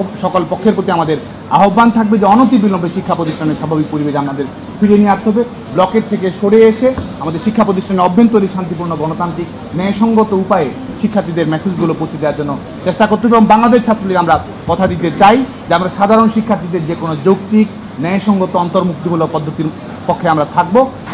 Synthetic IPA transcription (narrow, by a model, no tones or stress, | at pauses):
ʃɔkolpɔkʰːeɾpot̪iamad̪eɾ | a̰ɦobːant̪ʰak̚bed͡ʑeɔnot̪̬ibilombʱeʃikʰːapɾot̪iʃʈʰaneɾʃabʱabik̚poɾibed͡ʑamnad̪eɾ | fʰiɾeniaat̪ːeɦɔbe | blɔkeʈ̚t̪ʰekeʃoɽeeʃeamad̪eɾʃikʰːapɾot̪̬iʃʈʰaneɾɔbʱːent̪oɾiʃant̪ipuɾnoɡɔnot̪ant̪ɾik | nɛeʃɔŋɡot̪oupae | ʃikʰːaɾt̪ʰid̪eɾmɛsed͡ʑɡulopowt͡ɕʰed̪eaɾd͡ʑonːo | t͡ɕeʃʈakoɾt̪eɦɔbeboŋbaŋlad̪eʃt͡ɕʰat̪ːɾolikamɾa | kɔt̪ʰad̪it̪et͡ɕaj | d͡ʑeamɾaɾʃad̪ʱaɾonʃikʰːaɾt̪ʰid̪eɾd͡ʑekonod͡ʑowkt̪ik | nɛeʃɔŋɡot̪oɔnt̪oɾmuk̚t̪ibulopɔd̪ʱːot̪iɾ | pɔkʰːeamɾat̪ʰak̚bo